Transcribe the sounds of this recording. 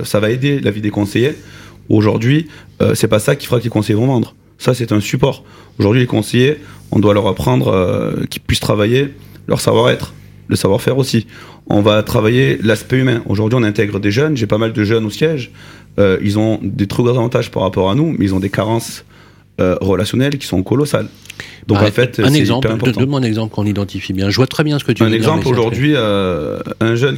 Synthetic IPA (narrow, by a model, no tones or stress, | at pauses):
savaed̪elavid̪ekɔ̃sejeoʒuʁd̪ɥiø̰sɛpasakʲi̥fəʁakəlekɔ̃sejevɔ̃vɑ̃d̪ʁ | sasɛt̪ɛ̃sypɔʁ | oʒuʁd̪ɥilekɔ̃sejeɔ̰̃d̪walœʁapχɑ̃d̪ʁø̰kʲi̥pɥist̪χavajelœ̰ʁsa̰vwaʁɛt̪χ | ləsavwaʁfɛʁosi | ɔ̰̃vat̪χavajelaspɛymɛ̃ʔo̰ʒuʁd̪ɥiɔ̃nɛ̃t̪ɛɡʁəd̪eʒœnʒepamald̪əʒœnosjɛʒ | øḭlzɔ̃d̪et̪χuɡʁɑ̃zavɑ̃t̪aʒpa̰ʁːapɔʁanumɛilzɔ̃d̪ekaʁɑ̃s | øʁəlasjɔnɛlkʲi̥sɔ̃kɔlɔsa̰l | d̪ɔ̃kɑ̃fɛt̪ɛzĩpɛʁɛ̃pɔʁt̪ɑnm̃ɛ̃nɛɡzɑ̃plkɔ̃nid̪ɑ̃t̪ifibjɛ̃ʒəvwat̪χɛbjɛ̃sə̥kət̪yɛ̃nɛɡzɑ̃ploʒuʁd̪ɥiø | ɛ̃ʒœn